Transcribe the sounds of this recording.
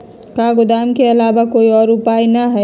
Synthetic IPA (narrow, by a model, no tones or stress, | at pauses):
kaɡʊd̪aːmkeɐlaːbakoːiɔːɾʊpainəɦɛ